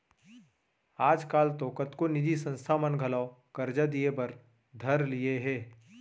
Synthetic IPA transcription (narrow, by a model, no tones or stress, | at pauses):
aːd͡ʒkaːlt̪oːkət̪konɪd̪isə̃nst̪ʰamənɡʱɐlaːʊkɐɾd͡ʒad̪ijebɐɾ | d̪ʱɐɾlijeɦɛː